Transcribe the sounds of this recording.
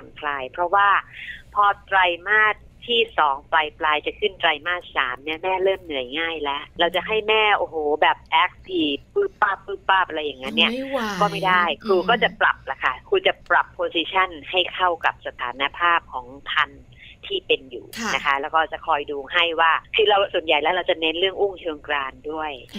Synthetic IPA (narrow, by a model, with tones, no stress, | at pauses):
a˨˩˦nkʰlaː˧jpʰɾɔ˦˥waː˥˩pʰɔː˧t̪ɾa˧jmaː˥˩t̪ʰːiː˥˩sɔː˩˦ŋplaː˧jplaː˧jt͡ɕa˨˩kʰɯ˥˩nt̪ɾa˧jmaː˥˩t̪̚saː˩˦mni˦˥˩ɐmɛː˥˩lɤː˥˩mnɯ˨˩˦əjŋaː˥˩jlɛ˦˥ʔɾa˧wt͡ɕa˨˩ɦa˥˩jmɛː˥˩ʔoː˨˩hoː˩˦bɛː˨˩p̚ʔɛː˦˥k̚sʰiː˧˩pɯː˥˩pːaː˥˩pːɯː˥˩pːaː˥˩pʔa˧ɾa˧jːa˨˩ŋːa˦˥nːi˥ɐ˨kɔː˥˩ma˥˩jda˥˩jkʰɾuː˧kɔː˥˩t͡ɕa˨˩pɾa˨˩p̚la˨˩kʰa˥˩kʰuː˧t͡ɕa˨˩pɾa˨˩pʰːoː˧siː˧t͡ɕʰa˥˩nha˥˩jkʰa˥˩wka˨˩p̚sa˧t̪ʰaː˩˦na˧pʰaː˥˩p̚kʰɔː˩˦ŋt̪ʰa˧n | t̪ʰiː˥˩pe˧njṵː˨˩nna˦˥kʰa˦˥lɛː˦˥wkɔː˥˩t͡ɕa˨˩kʰɔː˧jduː˧ɦa˥˩jwaː˥˩kʰɯː˧ɾa˧wsu˨˩ənja˨˩jlɛː˦˥wɾa˧wt͡ɕa˨˩ne˦˥nɾɯ˥˩əŋʔu˥˩ŋt͡ɕʰoː˧ŋkɾaː˧ndu˥˩əj